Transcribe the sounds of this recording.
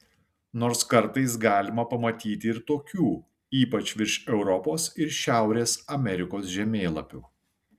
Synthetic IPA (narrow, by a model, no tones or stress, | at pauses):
noːɾskɐɾˑt̪ɐɪs̬ɡɑːlʲɪmɐpɐmɐt̪ʲiːt̪ʲɪɪɾt̪oːkʲuː | iːpɐt͡ʃʲʋʲɪɾʃɛʊɾɔpoːsɪɾʃʲæˑʊɾʲeːsɐmʲɛɾʲɪkoːsʒʲɛmʲeːlˠɐ̰pʲuː